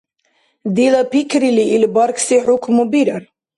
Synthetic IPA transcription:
d̪ilapikɾiliʔilbɑɾksiħʊkʰmubiɾəɾ

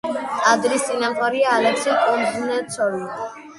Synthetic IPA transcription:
ad̪ɾisʼinampʰʼɔɾiaːlɛksɛkʼɔnd̪nɛt̪sʰɔli

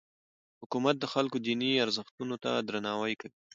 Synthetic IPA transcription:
hʊkumat̪̚d̪əxalkod̪iniaɾzəxt̪unot̪a̰d̪ɾanɑwajkawi

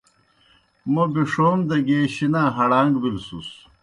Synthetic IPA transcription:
mɐbiʂoːmd̪ɐɡeːɕinaɦɐɽaːŋɡbilsṵs

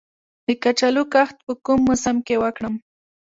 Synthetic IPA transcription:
d̪ɪkat͡ʃalʊkaχt̪̚pəkʊmːʊsamkewakɽam

